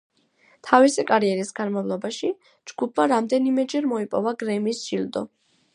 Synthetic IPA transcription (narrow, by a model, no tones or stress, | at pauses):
t̪ʰavisikʼaɾiɛɾisɡanmavlˠɔbaʃi | d͡ʒɡupʰmaɾamd̪ɛnimɛd͡ʒɛɾmɔipʼɔvaɡɾɛmisʒild̪ɔ̰